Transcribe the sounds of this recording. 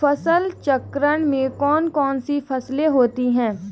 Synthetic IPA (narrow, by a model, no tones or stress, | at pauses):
fɐsəlt͡ʃəkɾəɽ̃mẽkɔːnkɔːnsifʰɐsleɦoːt̪iɦɛ̃ː